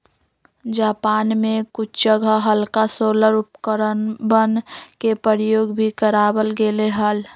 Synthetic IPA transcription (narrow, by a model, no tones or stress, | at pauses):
d͡ʒaːpaːnmẽkʊt͡ʃʰd͡ʒəɡʱəɦəlkasoːləɾʊpkəɾənbənkepəɾjoːɡbʱikəɾaːbəlɡeleɦəl